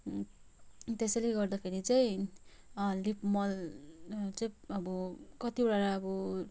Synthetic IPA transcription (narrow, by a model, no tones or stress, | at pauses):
t̪esʌleɡʌrd̪ʌpʰeɾit͡saj̃ | lipmʌl | t͡saĩʌbʌkʌt̪ibɽaɾaʌbʌ